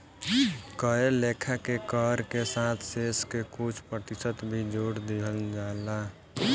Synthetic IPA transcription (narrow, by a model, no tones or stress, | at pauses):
kəeleːkʰakekɔːɾkesaːt̪ʰseːskekʊt͡ʃʰpɾət̪ɪsət̪bʱid͡ʒoːɽd̪iɦəld͡ʒaːla